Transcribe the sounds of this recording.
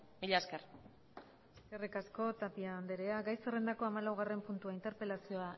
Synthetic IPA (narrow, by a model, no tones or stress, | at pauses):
miʎaesker | ekerikasko̞t̪apiaːnd̪e̞ɾe̞aɡajsere̞nd̪ako̞amalawɣ̞are̞mpunt̪uaint̪eɾpe̞lasio̞a